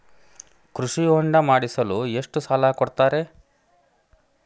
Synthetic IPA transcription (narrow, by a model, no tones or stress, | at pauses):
kɾuʂioɳɖɐmaːɽisɐlueʂʈusaːlaːkɔɽt̪aːɾe̞